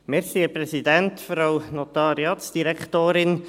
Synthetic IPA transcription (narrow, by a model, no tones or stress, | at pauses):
mɛɾxiɛprɛsidɛntfɾawnot̪ɑɾjɑtsd̥iɾɛktoːɾɪn